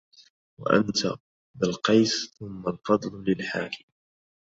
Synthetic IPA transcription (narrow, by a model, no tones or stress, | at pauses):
wa̰ʔa̰nt̪ʰa | bɪlqɑjsθʊmːalfɑd̪ˤllɪlħaːkɪm